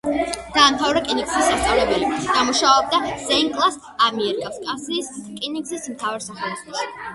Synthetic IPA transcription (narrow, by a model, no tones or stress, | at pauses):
d̪̥aːmt̪ʰavɾɛkʼinikʼsisːast̪sʼavlɛbɛlid̥̪amuʃaɔb̚d̪az̥ɛiŋkʼlˠas | amɛɛɾikʼaskʼasiːskʼinikʼsismt̪ʰavaɾsaχɛlizbʰas